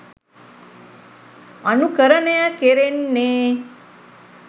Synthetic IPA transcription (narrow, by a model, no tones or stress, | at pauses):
ɐnukəɾɐnejakeɾenːeː